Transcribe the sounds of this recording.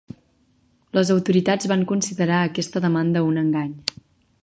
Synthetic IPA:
ləzəwt̪uɾit̪ad͡zβaŋkunsiðəɾaəkɛst̪əðəmand̪əunəŋɡaɲ

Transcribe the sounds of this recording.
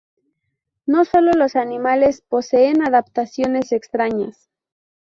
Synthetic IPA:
no̞so̞lo̞lo̞sanĩmale̞spo̞se̞ːnaðapt̪asjo̞ne̞se̞kst̪ɾaɲas

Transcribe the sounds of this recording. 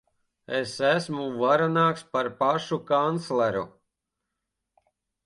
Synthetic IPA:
esæsmuvaɾanaːkspaɾpaʃukant̪slˠɛɾṵ

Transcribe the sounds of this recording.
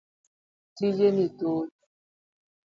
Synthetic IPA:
tijenito

